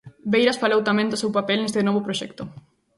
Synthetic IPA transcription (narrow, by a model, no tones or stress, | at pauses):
bejɾasfalewt̪amẽnd̪osewpapelnest̪enɔβopɾoʃɛkt̪ʊ